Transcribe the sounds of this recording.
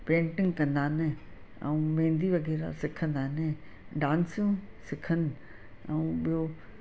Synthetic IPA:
pɾẽːɳʈɪ̃ŋɡkɐ̃nd̪aːnɪ | ɛ̰̃ũmẽːnd̪iʋɐɣɛːɾa̰sɪkʰə̃nd̪aːnɪ | ɖãːnsjũ | sɪkʰənɪ̆ | ɛ̃ɓijo

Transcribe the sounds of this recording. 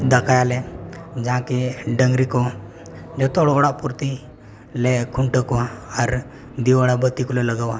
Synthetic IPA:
d̪əkajaled͡ʒãkeɖəŋɡɾikɔ | d͡ʒɔt̪ɔɽʋɽapuɾt̪i | lekʰuɳʈəkɔaɾ | d̪iʋaɽabət̪ːikulɔləɡaʋa

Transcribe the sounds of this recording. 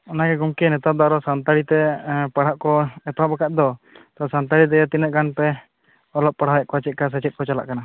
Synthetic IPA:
ɔnaɡɛɡumkɛnɛt̪ap̚d̪ɔaɾɔsant̪aɽit̪ɛpaɽ̤aʔkɔɛt̪apakat̪̚d̪ɔt̪ɔsant̪aɽit̪̬ɛjat̪inət̪̚ɡanpɛ | ɔlɔp̚ːaɽ̤ajɛʔkɔat͡ʃɛt̪̚kas̬at͡ʃɛt̪̚kɔt͡ʃala̰ʔkana

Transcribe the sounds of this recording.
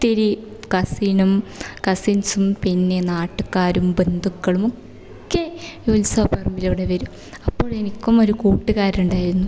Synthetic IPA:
t̪iɾikɐsiːnɐmkɐsinsumpinːenaːʈːukːaːɾumbe̞nd̪ʱukːɐɭumok | kːejolsɐpɐrɐmbilɐʋɽeʋɐɾum | ɐpːo̞ːɭe̞nikʲːumo̞ɾukuːʈːɨɣaːɾuɳɖaːjiɾunːu

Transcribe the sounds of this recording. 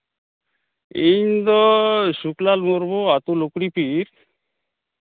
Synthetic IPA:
ind̪ɔʃuklalmoɾboat̪ulokɽipiɾ

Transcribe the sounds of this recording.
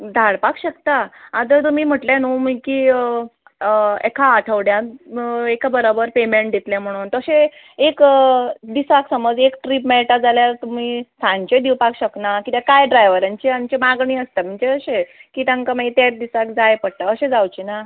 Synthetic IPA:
d̪ʱaɽpakɕəkt̪aat̪ət̪um̤iːm̤əʈlãnom̤əkiː | ḛkʰaːʈʰəʋɽjã | ekʰabəɾobəɾpemeɳʈd̪et̪lɛ̃m̤əɽ̃uːnt̪əɕe | ek | d̪isaksəməd͡zekʈɾipmɛɭʈad͡zaljaɾt̪um̤iːsʰãɲt͡ɕed̪iwpakɕəknakit̪jakajɖɾajʋəɾaɲt͡ɕiamt͡ɕemaɡɳiːəst̪am̤əɳt͡ɕeəɕekiːt̪ãŋkamait̪eɾd̪isakd͡zajpəɽt̪aəɕẽd͡zawt͡ɕina

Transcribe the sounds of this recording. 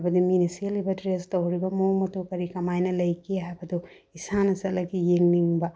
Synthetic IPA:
bɐd̪iminiselibɐdɾest̪ɐɦuɾibɐmoːmɐt̪ukɐɾikɐmaːjnɐlɐjkiabɐd̪u | isaːnɐsɐlɐkijeŋniŋba

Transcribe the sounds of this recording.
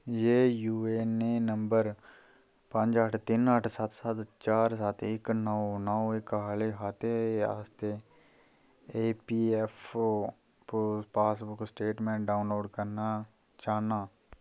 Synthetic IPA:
jeːjuːenenə̃mbəɾ | pə̃ɲd͡ʒəʈʰt̪ɪnəʈʰsɐt̪ʰsɐt̪t͡ʃaːɾsat̪ʰɪknəʋnəoɪkɦaːleɦaːt̪ea̰ːst̪e | eːpiːefo | ppaːsbʊksʈeːʈmẽɖaːʊnloːɖkəɾna | t͡ʃaːnaː

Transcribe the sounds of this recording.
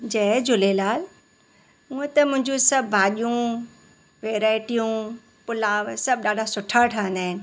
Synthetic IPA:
d͡ʑɐːd͡ʑʊlelaːl | ũẽt̪ɐmʊ̃ɦɪ̃ɲd͡ʑũsɐbʱbʱaːɗijũ | ʋeːɾaːɪʈijũ | pʊlaːʋsɐb̚ɗaːɖʱasʊʈʰaʈʰaːɦənd̪aːɦɪnɪ̆

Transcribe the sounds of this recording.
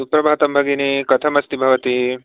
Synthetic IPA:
upɾɐbʱaːɐt̪ɐmbʱɐɡinikɐt̪ʰɐmɐst̪ibʱɐʋɐt̪i

